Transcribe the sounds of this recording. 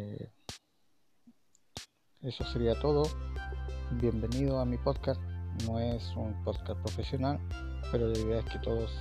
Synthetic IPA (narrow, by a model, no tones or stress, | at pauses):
e̞so̞se̞ɾiat̪o̞ð̞o | bje̞mbe̞nið̞oamipo̞ðkasno̞e̞sumpo̞ðkaspɾo̞fe̞sjo̞nal | pe̞ɾoaiðeaesket̪o̞ðos